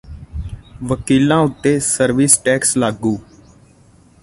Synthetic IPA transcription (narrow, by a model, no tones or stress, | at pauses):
ʋəkiːlãːʊt̪ːeːsəɾʋiːsʈɛːkslaːɡuː